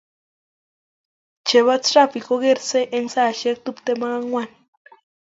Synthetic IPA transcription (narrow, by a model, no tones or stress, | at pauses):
t͡ʃeβat͡srapikoɣeɾseʔeŋsaʃek̚t̪upt̪emaɣaŋwan